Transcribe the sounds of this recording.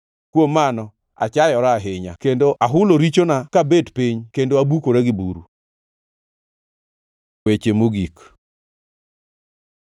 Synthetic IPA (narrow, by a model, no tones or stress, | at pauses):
kwomːanɔ | a̰t͡ʃajɔɾaɦɪɲa̰kendoʔaɦʊloɾit͡ʃonakabedpiɲkendoabukoɾeɡɪbuɾṵ | wet͡ʃemoɡik